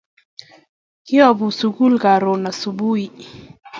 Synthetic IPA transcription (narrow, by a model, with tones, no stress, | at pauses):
ki˦a˦˨bu˨su˨ku˦lka˨ɾɔ˨na˨su˨bu˦i˦